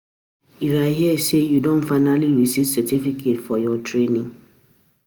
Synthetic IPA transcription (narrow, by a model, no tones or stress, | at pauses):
iɾaɦiɛsejudõnfaɪnaliɹisitsɛtifikʰetfɔjɔtɹenĩŋ